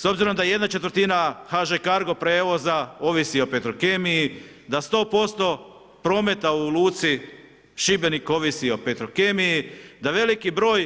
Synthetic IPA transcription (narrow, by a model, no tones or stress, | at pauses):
so̞bziɾo̞md̪ajeje̞d̪nat͡ʃe̞t̪ʋəɾt̪inaxaʒekaɾɡo̞pɾe̞ːʋo̞zao̞ʋisio̞pet̪ɾokemiji | d̪ast̪o̞ːpo̞st̪o̞ | pɾo̞ːmet̪aulˠuːt̪si | ʃibe̞niko̞ʋisio̞pet̪ɾokemijid̪aʋe̞likibɾo̞ːj